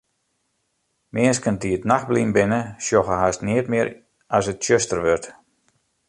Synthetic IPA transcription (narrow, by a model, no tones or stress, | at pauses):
mɪəskən̚diətnaxblimbɪnəsjoxəɦastnɪətmɪəɾ | asətʃøstərʋørt